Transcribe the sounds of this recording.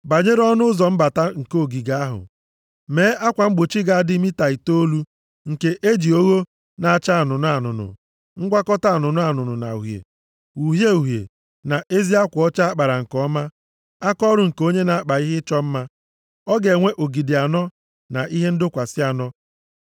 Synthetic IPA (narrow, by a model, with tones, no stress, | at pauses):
ba˨ɲe˦ɾɔ˦nʊ˦ʊ˦zɔ˨m̩˦ba˨ta˦ŋ̩˨ko˦o˨ɡi˨ɡa˨a˦ɦʊ̰˨ | meː˨˦ʔa˦kʷa˨m̩˦ɡ͡bʊ˨t͡ʃi˦ɡa˨a˦dɪ˦mi˦ta˨i˨to˦lu˦ | ŋ̩˨ke˦ʔe˦d͡ʒi˨o˦ɣo˦ | na˨a˨t͡ʃa˦a˨nʊ˨n˦a˨nʊ̰˨nʊ̰˨ | ŋ̩˦ɡʷa˦kɔ˦ta˦a˨nʊ˨nʊ˦a˨nʊ˨nʊ˨na̰˨u˨ɦjḛ˨ | u˨ɦje˦u˨ɦjḛ˨ | na˨ʔe˦zi˦a˦kʷɔ˦t͡ʃa˦a˦k͡pa˨ɾa˨ŋ̩˨kɔ˦ma˦ | a˦kɔ˦ɾʊ˨ŋ̩˨ko˦ɲe˦na˨a˦k͡pa˨i˦ɦɪ˦t͡ʃɔ˦m̩˦ma˦ | ɔ˦ɡe˨ŋʷe˦ʔo˨ɡi˨dɪ˨a˨nɔ˦ | na˨ʔi˦ɦe˦n̩˦dʊ˦kʷa˨sɪ˦a˨nɔ˦